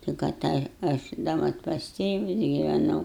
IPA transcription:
tʲɪk ɐˈtɑːjɛ ɐʃ dɐ ˈmɐt pɐs ˈtʲeːʋʊs ɡʲɪʋʲɛˈnɐʊ

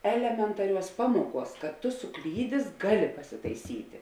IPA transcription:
ˈæːlʲɛmʲɛntɐˌrʲuɔs ˈpɑːmuɔˌkuɔs kɐt ˈtʊ sʊˈklʲiːdʲeːs ˈɡɑːˌlʲɪ pɐsʲɪtɐɪˈsʲiːtʲɪ

